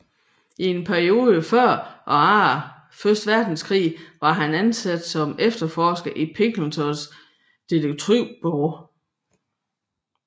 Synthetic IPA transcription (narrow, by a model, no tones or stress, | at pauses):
ie̝npʰæɐio̝ːðˠəfɶɐ̰ʔɒ̽ɑ | føsd̥ʋæɐ̰d̥n̩skʰʁḭːʋɑ̈ɦænænsæd̥sɒ̽mefd̥ɐfɒːsɡ̥ɐʔipʰe̝ŋɡ̥lnt͡sʰɒs | d̥eləɡ̥̚t͡sʰʁyʊ̰b̥ɔʊ